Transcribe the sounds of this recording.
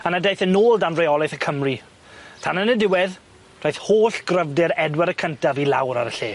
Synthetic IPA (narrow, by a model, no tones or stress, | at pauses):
anadejθənoːlˠdanrejɔlˠɪθəkʰəmri | tʰanənədɪwɛð | r̥ajθhoːɬɡ̥rəvdɪɾɛdwɛɾəkʰəntavilˠa̰wɾa̰ɾəɬḛː